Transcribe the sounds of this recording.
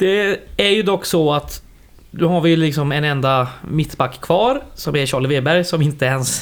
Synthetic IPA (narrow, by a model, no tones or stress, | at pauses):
d̪̥ɛæɾjɵd̪ɔkːsɔat̪ | d̪ɔhaɾvɪjlɪksɔmɛnɛnd̪amɪt̪ːbakːkʰvɑːɾsɔmæɾɕɑːɭəveːbæɾjsɔmɪnt̪əɛns